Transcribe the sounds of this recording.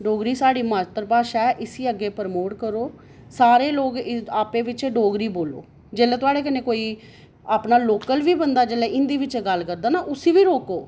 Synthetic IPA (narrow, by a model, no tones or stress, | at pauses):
ɖoːɡɾiːsaːɽiːmaːt̪əɾpaːʃɛːʔɪsiːəɡːeːpəɾmoːʈkəɾoː | saːɾeːloːɡaːpeːʋɪt͡ʃeɖoːɡɾiːboːlo̰ː | d͡ʒeːlɛːt̪ʊaːɽeːkəneːkoːiː | aːpnaːloːkəlʋiːbənd̪aːd͡ʒeːlɛːʔɪnd̪iːʋɪt͡ʃːɡəlkəɾd̪aːnaːʔʊsiːʋiːɾoːkoː